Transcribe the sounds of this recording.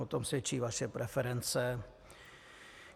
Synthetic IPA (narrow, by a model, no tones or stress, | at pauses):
ot̪omsvjɛt͡ʃiːvaʃɛpɾʔɛfɛɾɛnt͡sɛ